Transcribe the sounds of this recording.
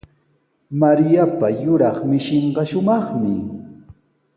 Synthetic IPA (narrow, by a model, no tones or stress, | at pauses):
maɾjapajʊɾɑχmɪʃɪɴɢɑʃʊmɑχmɪ